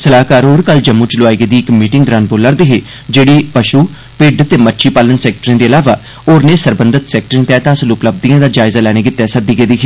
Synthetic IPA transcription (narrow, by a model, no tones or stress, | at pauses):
səlaːkaːɾɦoːɾkəld͡ʒəmːũːt͡ʃloaːiɡeːd̪iːɪkmiːʈɪ̃ŋɡd̪ɾaːnboːləɾd̪eːɦeː | d͡ʒeːɽiːpəʃuː | pɪɖt̪eːmətːʃʰiːpaːlənsɛːk̚ʈɾẽːd̪eːəlaːʋaː | oːɾneːsəɾbənd̪ət̪sɛːk̚ʈɾẽːt̪ɛːt̪ãːsəlʊpləb̚d̪ijãːd̪aːd͡ʒaːɪzaːlɛːɽ̃eːɡɪt̪ːɛːsəd̪iːɡeːd̪iːkʰeː